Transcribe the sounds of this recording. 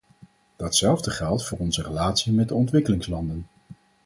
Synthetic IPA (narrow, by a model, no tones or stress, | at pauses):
d̥ɑtsɛlˠvdəχɛlˠtfʊːɹɔnzərəlaːtsimɛd̚dəɔntʋɪkəlɪŋslɑndən